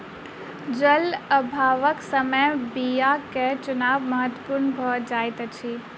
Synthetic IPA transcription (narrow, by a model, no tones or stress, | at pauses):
d͡ʒələbʱaːʋəksəməjbijaket͡ʃʊnaːbməɦət̪wəpuɾnbʱɐd͡ʒaːjt̪ət͡ʃʰi